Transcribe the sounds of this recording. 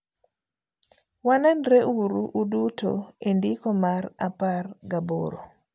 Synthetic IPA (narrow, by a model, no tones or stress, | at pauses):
wanɛnɾeʔuɾuʔːduto̰endikɔmaɾa̰parɡaboɾo̰